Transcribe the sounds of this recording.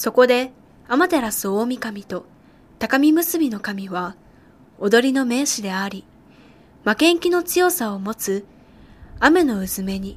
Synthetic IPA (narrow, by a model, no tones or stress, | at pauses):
so̞ko̞d̪e̞ | amat̪e̞ɾasɨo̞ːmʲikamʲit̪o̞ | t̪akamʲimɯ̟sɨbʲino̞kamʲiβa | od̪o̞ɾʲino̞me̞ːɕid̪e̞aɾʲi | makẽ̞ŋkʲino̞t͡sɨjo̞saomo̞t͡sɨ | ame̞no̞ɯ̟zɨme̞ɲ̟i